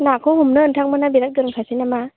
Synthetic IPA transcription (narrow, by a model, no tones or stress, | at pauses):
nakʰɔɦumnɯɯntʰak̚mɯnabiɾak̚dɯɾɯŋkʰasinama